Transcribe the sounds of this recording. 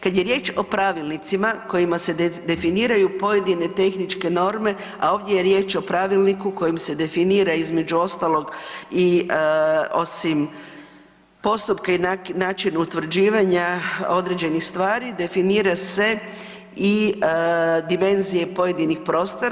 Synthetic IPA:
kad̪je̞ɾje̞ːt͡ʃo̞pɾaʋilˠnit̪simako̞jimased̪e̞finiːɾajupo̞je̞d̪ine̞t̪e̞xnit͡ʃke̞no̞ɾme̞ | a̰o̞ːʋd̪je̞jeɾje̞ːt͡ʃo̞pɾaʋilnikuko̞jimse̞d̪e̞finiːɾaizme̞d͡ʑuo̞st̪alˠo̞ɡi | o̞̰sim | po̞st̪upkainnaːt͡ʃinut̪ʋr̩d͡ʑiːʋaɲao̞d̪ɾe̞d͡ʑe̞nixst̪ʋaːɾid̪e̞finiːɾase̞ | i | d̪ime̞nzije̞po̞je̞d̪inixpɾo̞ːst̪oɾ

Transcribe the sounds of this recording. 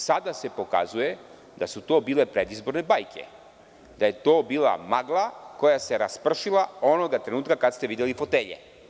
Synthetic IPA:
sad̪ase̞po̞ka̰zuje̞ | d̪asut̪o̞ːbiːlepɾed̪izbo̞ɾnebajkʰe̞̰ | d̪aje̞t̪oːbiːla̰maɡlˠako̞jaseɾaspr̩ʃilˠao̞noɡat̪ɾe̞nuːt̪kakad̪st̪eʋid̪jelifo̞t̪eːʎḛ

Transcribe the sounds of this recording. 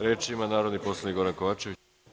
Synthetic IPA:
ɾet͡ʃimanaːɾo̞d̪nipo̞slˠaniɡo̞ɾankoʋaːt͡ʃe̞ʋi

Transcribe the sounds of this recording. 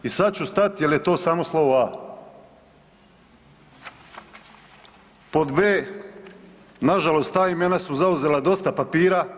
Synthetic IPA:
isad̪̚t͡ɕust̪at̪jelje̞t̪o̞ːsaːmoslˠo̞ʋoaː | po̞d̪beː | naʒalˠo̞st̪ːaːime̞nasuzauzelad̪o̞st̪apapiːɾa

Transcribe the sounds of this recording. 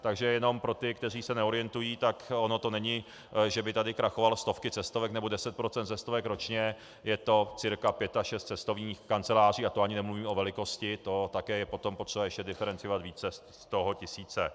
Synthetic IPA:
t̪aɡʒɛjɛno̞mpɾo̞t̪ɪkt̪ɛr̝iːsɛnɛo̞ɾɪjɛnt̪ujiːt̪akono̞t̪o̞nɛɲɪ | ʒɛbɪt̪adɪkɾaxovalst̪o̞fkɪt͡sɛst̪o̞vɛknɛbo̞dɛsɛt̪̚pɾo̞t͡sɛnt̪t͡sɛst̪o̞vɛkɾo̞t͡ʃɲɛ | jɛt̪o̞t͡sɪɾkapjɛt̪aʃɛst̪t͡sɛst̪o̞vɲiːxkant͡sɛlaːr̝iːat̪oaɲɪnɛmluviːmo̞vɛlɪko̞scɪt̪o̞t̪akɛːjɛpo̞t̪o̞mpo̞t̪r̥ɛbajɛʃcɛdɪfɛɾɛnt͡sɪjoat̪viːt͡sɛs | st̪oɦocɪsiːt͡sɛ

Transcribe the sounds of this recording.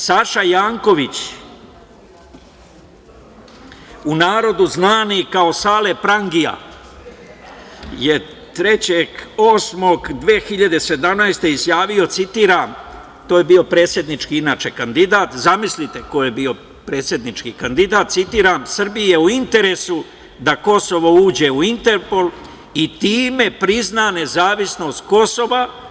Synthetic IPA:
saʃajaːŋko̞ʋit͡ɕ | unaːɾo̞d̪uznaːnikao̞saːle̞pɾaŋɡija̰ | je̞ | t̪ɾe̞t͡ɕeɡo̞ːsmoɡd̪ʋeːxiʎad̪ese̞d̪amnajst̪e̞izjaːʋio̞t̪sit̪iːɾam | t̪oːjebiːo̞pɾe̞t̪sje̞d̪nit͡ʃkiinaːt͡ʃe̞kand̪id̪aːt̪zamislit̪e̞ko̞jebio̞ | pɾe̞ːt̪sje̞d̪nit͡ʃkikand̪id̪aːt̪t̪sit̪iːɾamsr̩bijeuint̪e̞ɾe̞ːsu | d̪ako̞so̞ʋo̞uːd͡ʑe̞uint̪e̞ɾpo̞l | it̪iːme̞pɾiznane̞zaːʋisno̞ːst̪ko̞so̞ʋa

